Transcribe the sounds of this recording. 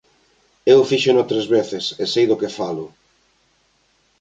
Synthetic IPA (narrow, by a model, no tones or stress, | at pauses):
ewfiʃʊnot̪ɾezβeθɪsesejðʊkefalʊ